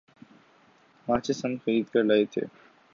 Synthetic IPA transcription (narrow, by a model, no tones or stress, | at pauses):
maːt͡ʃʰesɐnxɐɾiːd̪kɐɾlaːet̪ʰḛː